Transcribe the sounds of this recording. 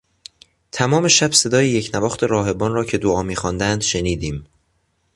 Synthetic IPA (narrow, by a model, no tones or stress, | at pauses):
t̪ʰæmɒːme̞ʃæbse̞d̪ɒːjejecʰnævɒːxt̪ʰe̞ɾɒːɦe̞bɒːnrɒːcʰe̞d̪oɒːmiːxɒnd̪ænd̪ʃe̞niːd̪iːm